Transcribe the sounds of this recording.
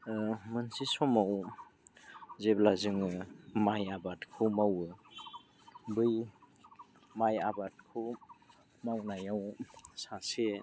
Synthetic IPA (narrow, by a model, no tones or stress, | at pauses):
mɯnsisɔmaw | zeblazɯŋɯmajabatkʰumawɯ | bɯj | majabat̚kʰɯ | mawnajawsase